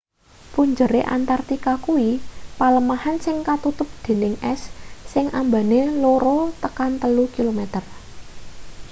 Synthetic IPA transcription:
puɲd͡ʒəɾeʔa̰nt̪art̪ikakuwipaləmahansɪŋkat̪ut̪ʊp̚d̪̥e̤nɪŋɛsːɪŋʔamba̤neloɾot̪əkant̪əlukilomɛt̪ər

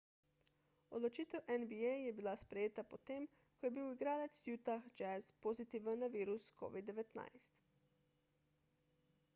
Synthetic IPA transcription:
od̪lɔt͡ʃiːt̪ɛwʔɛnbiejjɛbilaspɾɛjeːt̪apɔt̪eːm | kɔjɛbiwiɡɾaːlɛt̪sjuːt̪axd͡ʒɛzpozit̪iːʋənːaʋiːɾusko̰ːʋid̪ːɛʋɛt̪na̰jst̪

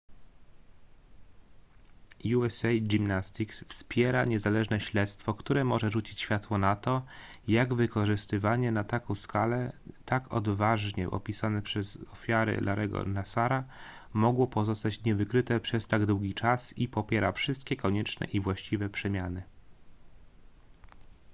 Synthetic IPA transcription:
juɛsɛjɡimnast̪iksfspʲjɛɾaɲɛzalɛʐnɛɕlɛt̪st̪fɔkt̪uɾɛmɔʐɛʐut͡ɕit͡ɕɕfʲjat̪wɔnat̪ɔ | jaɡvɘkɔʐɘst̪ɘvaɲɛnat̪akɔ̃w̃skalɛt̪akʰɔ̰d̪vaʐɲɛ̰ʔɔ̰pʲisanɛpʂɛzɔfʲjaɾɘ̰lʔaɾʔɛɡɔ̰nasaɾa | mɔɡwɔpɔzɔst̪at͡ɕɲɛvɘkɾɘt̪ɛpʂɛst̪aɡd̪wuɡʲit͡ʂasipɔpʲjɛɾafʂɘst̪̚kʲɛkɔɲɛt͡ʂnɛ̰ʔivwaɕt͡ɕivɛpʂɛmʲjanɘ

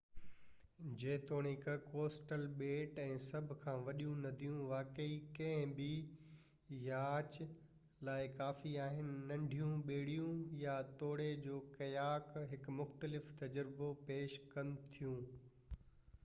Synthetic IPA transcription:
d͡ʑeːt̪oːɽ̃ɪkkoːsʈəlɓeːʈɛ̃ːsɐbʱkʰãːʋɐɗijũnɐd̪ʱijũʋaːkəikɐ̃ɦɪ̃bi | jaːt͡ɕ | laːɪkaːfiaːɦɪnɪ̆nɐ̃ɳɖʱijũɓeːɽijũjat̪oːɽed͡ʑoːkɐjaːkɦɪkmʊxt̪əlɪft̪ɐd͡ʑəɾɪbopeːʃkɐnɪ̆t̪ʰijũː

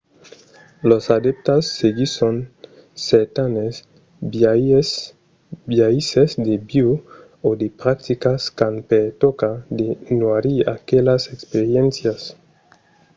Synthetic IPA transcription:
losad̪ep̚t̪asːeɡisonː | eɾt̪anes | bjaisesd̪ebiu | od̪epɾak̚t̪ikaskanpeɾt̪okad̪enwaɾia̰kelasekspeɾjensjas

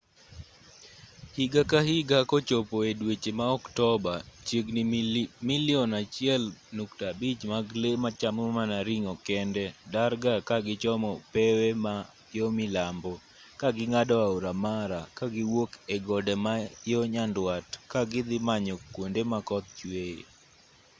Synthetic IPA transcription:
hiɡakahɪɡakɔt͡ʃopɔedwet͡ʃemaɔktɔbat͡ʃeɡnmiljɔnat͡ʃɪɛlnuktabit͡ʃmaɡlemat͡ʃamomanaɾiŋɔkɛndɛdaɾɡakaɡɪt͡ʃɔmɔpɛwema | jɔmɪlambɔ | kaɡɪŋadɔaoɾamaɾakaɡɪwokeɡɔdɛmajoɲandwatkaɡɪd̪ɪmaɲɔkwondemakɔt̪̚t͡ʃweḛ

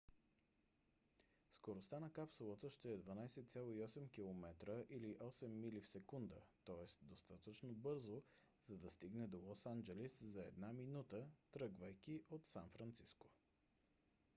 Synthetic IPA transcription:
skoɾost̪anɐkapsulˠət̪əʃt̪ɛɛd̪vɐnajsɛt̪sʲalˠoiɔsɛmkʲilˠomɛt̪ɾəʔiliʔɔsɛmːilifsɛkund̪ət̪ɔɛst̪d̪ost̪at̪ət͡ʃnobɤɾzo | z̥ɐd̪ɐst̪iɡnɛd̪olˠɔsand͡ʒɛliszɐɛd̪naminut̪ət̪ɾɤɡvəjkiʔot̪sanfɾɐnt̪sisko̥

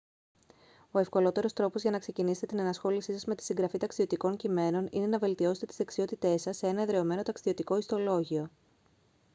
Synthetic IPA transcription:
o̞e̞fko̞lo̞t̪e̞ɾo̞st̪ɾo̞po̞zʝɐnɐkse̞cinise̞t̪et̪inɐnɐsxo̞lisisɐzme̞t̪i̥siŋɡɾɐfit̪ɐksio̞t̪iko̞ɲcime̞no̞nine̞nɐve̞lt̪io̞se̞t̪eizðeksio̞t̪it̪e̞sɐsːee̞nɐeðɾe̞o̞me̞no̞t̪ɐksio̞t̪iko̞ist̪o̞lo̞ʝio̞

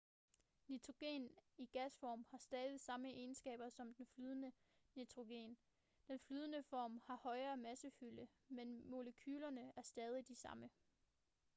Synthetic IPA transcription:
nit͡sʰʁo̝ɡ̥e̝̰ːniɡ̥æsfɒ̰ːmhɑ̈sd̥ɛːðˠisɑ̈məʔe̝ːnsɡ̥ɛ̰ːb̥ɐsɒ̽md̥enflyːð̞ˠənə | nit͡sʰʁo̝ɡ̥e̝̰ːn | d̥enflyːð̞ˠənəfɒːmhɑ̈hɒ̽ɪɐːmæsəfylə | menmo̝ləkʰyːlɐnəæɐsd̥ɛːð̞ˠid̥isɑ̈mə

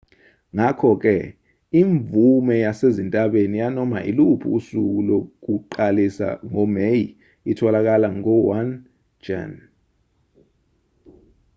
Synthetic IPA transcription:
ŋakʰɔk̬ɛ | iɱvumɛjasezintʼaɓenijanɔma̰ʔḭlupʰṵːsuk̬ulok̬uǃalisa̰ŋɔmeji | itʰɔlak̬alaŋɔwan | d͡ʒa̰n

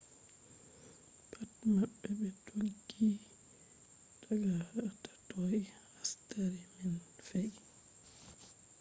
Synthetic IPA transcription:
pʰatmaɓːɛɓɛtʰoɡːi | taɡatḁtɔjhastaɾiminfɛj

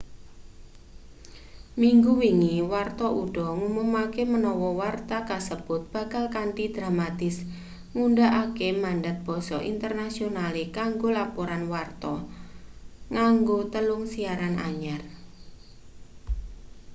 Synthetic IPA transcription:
miŋɡuwiŋiwart̪ɔʔuɖ̥ɔ̤ŋumumakemənɔwɔwart̪akasəb̥ʊt̪̚b̥a̤kalkaɳʈid̪̥ɾamat̪ɪs | ŋuɳɖaʔakemaɳɖat̪̚b̥ɔ̤sɔʔḭnt̪ərnasionalekaŋɡolapoɾanwart̪ɔ | ŋaŋɡot̪əlʊŋsiaɾana̰ɲar

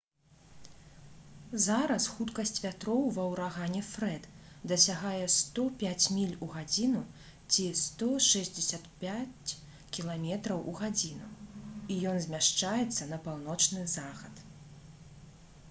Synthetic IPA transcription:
zaɾɐsxut̪kɐsʲt͡sʲvʲat̪ɾɔwvɐwɾaɣanʲɛfɾɛt̪d̪ɐsʲaɣajɛst̪ɔpʲat͡sʲmʲilʲuɣad͡zʲinu | t͡sʲist̪ɔʂɛzʲd͡zʲɪsʲat̪pʲat͡sʲ | kʲilˠamʲɛt̪ɾɐwʔuɣad͡zʲinuijɔnzʲmʲaʂt͡ʂajɛt̪sːɐnɐpawnɔt͡ʂnɨzaxɐt̪

